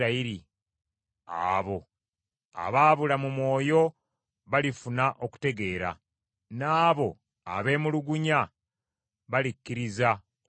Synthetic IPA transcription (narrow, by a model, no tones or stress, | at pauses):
aiɾi | a̰βo̞ | a̰βaːβulamumwo̞ːjo̞ | βalifunaʔo̞ku̥te̞ɡe̞ːɾa̰ | naːβo̞ | a̰βe̞ːmuluɡuɲa | βalikːiɾiza